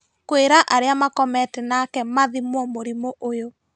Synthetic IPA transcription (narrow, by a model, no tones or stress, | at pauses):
kweɾaʔaɾeamakɔmɛtɛnakɛmaðimɔmoɾimoʔojo